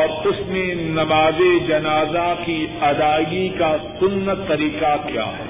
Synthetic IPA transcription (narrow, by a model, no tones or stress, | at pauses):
ɔːɾʊsmẽnɐmaːzed͡ʒɐnaːzakiɐd̪aːɡikasʊnːət̪ːɐɾiːqakja̰ːɦɛː